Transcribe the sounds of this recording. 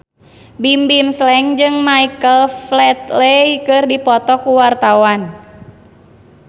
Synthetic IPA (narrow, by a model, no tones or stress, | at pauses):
bimbimslɛŋd͡ʒɨŋmaikəlflɛt̪̚lejkɨrdipɔt̪ɔkuwart̪awan